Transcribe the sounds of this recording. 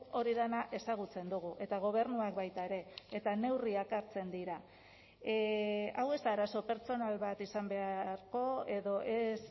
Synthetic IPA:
o̞ɾiðanaʔe̞saɣ̞ut͡se̞nd̪uɣ̞uʔe̞t̪aɣ̞o̞β̞e̞ɾnuakbajt̪aeɾe̞ːt̪ane̞wriakaɾt͡se̞nd̪iɾa | awe̞zt̪aːɾaso̞pe̞ɾt͡so̞nalβat̪isambe̞aɾko̞e̞ðo̞ʔes

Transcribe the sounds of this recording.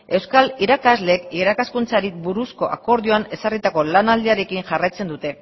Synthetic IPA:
e̞wskaliɾakazle̞ːkiɾakaskunt͡saɾibuɾusko̞ʔa̰ko̞ɾðioane̞sarit̪ako̞lanald̪iaɾe̞kinʝarajt͡se̞nd̪ut̪e̞

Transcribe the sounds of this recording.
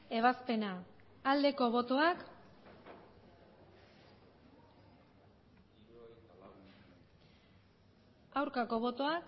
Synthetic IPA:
e̞βaspe̞naː | ld̪e̞ko̞βo̞t̪o̞ak | awɾkako̞β̞o̞t̪o̞ak

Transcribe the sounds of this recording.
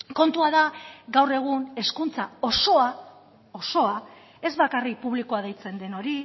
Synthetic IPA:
ko̞nt̪uaðaɡawre̞ɣ̞une̞skunt͡saosoa | o̞so̞a | e̞zβakarik̚puβlikoaðejt͡se̞nd̪e̞no̞ɾi

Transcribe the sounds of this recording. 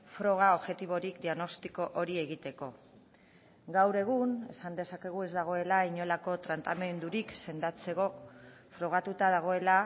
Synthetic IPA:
fɾo̞ɣ̞ao̞βʝe̞t̪iβ̞o̞ɾikd̪iaɣno̞st̪iko̞ʔoɾie̞ɣit̪e̞ko̞ | ɡawɾe̞ɣ̞une̞̰sand̪e̞sake̞ɣ̞ue̞zd̪aɣ̞o̞e̞laiɲo̞lako̞t̪ɾant̪amend̪uɾikse̞nd̪at͡se̞ɣo̞fɾo̞ɣ̞at̪ut̪aðaɣ̞o̞e̞la

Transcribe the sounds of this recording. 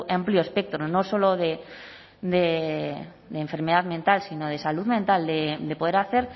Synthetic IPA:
amplioespek̚t̪ɾonõso̞loðe | d̪e | d̪eɱfe̞ɾmeðaðmẽnt̪alsinoð̞e̞saluðmẽnt̪ald̪ed̪epo̞ð̞eɾaθe̞ɾ

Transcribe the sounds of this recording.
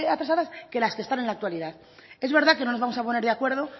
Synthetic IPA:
at̪ɾasaðaske̞laskest̪ane̞nlak̚t̪waliðað | e̞zβe̞ɾðake̞no̞nozβamo̞sapo̞neɾðeakwe̞ɾð̞o̞

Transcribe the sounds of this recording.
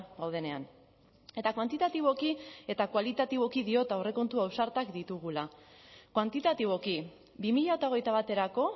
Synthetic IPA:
ɡawð̞e̞ne̞an | e̞t̪akwant̪it̪at̪iβ̞o̞kie̞t̪akwalit̪at̪iβo̞kiðio̞t̪aore̞ko̞nt̪uawsaɾt̪akd̪it̪uɣ̞ulakwant̪it̪at̪iβ̞o̞ki | bimiʎaot̪ao̞ɣejt̪aβ̞at̪e̞ɾako̞

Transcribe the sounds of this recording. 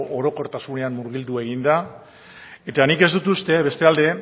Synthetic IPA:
ʔoɾo̞ko̞ɾt̪asune̞ammuɾɣild̪ue̞ɣ̞ind̪a | e̞t̪anike̞zd̪ut̪ust̪e̞βe̞st̪e̞ald̪e̞

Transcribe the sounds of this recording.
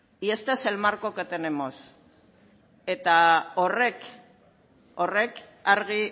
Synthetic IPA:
iest̪eselmaɾkoket̪ene̞mo̞s | e̞t̪aore̞k | o̞re̞k | aɾɣi

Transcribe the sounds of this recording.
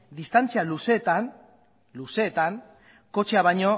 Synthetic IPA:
d̪ist̪ant͡sialuse̞t̪an | luse̞ːt̪aŋ | ko̞t͡ʃeaβajɲo̞

